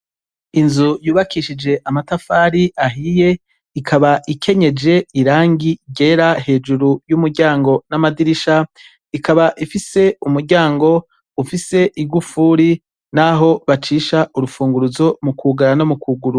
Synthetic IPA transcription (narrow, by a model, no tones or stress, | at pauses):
inzujuːβakiʃid͡ʒe̞ʔamatafaːɾiʔaɦije̞ | ikʰaβaʔikʰe̞ɲe̞d͡ʒe̞iɾaːŋɡiɟe̞ːɾahe̞ːd͡ʒuɾujumuɾɟaːŋɡo̞namadiɾiʃa | ikaβaʔifise̞umuɾɟaːŋɡo̞ | ufise̞ʔiɡufuːɾi | naɦo̞βat͡ʃiːʃaʔuɾufuːŋɡuɾuzo̞mukʰuɡaɾano̞mukuɡuɾu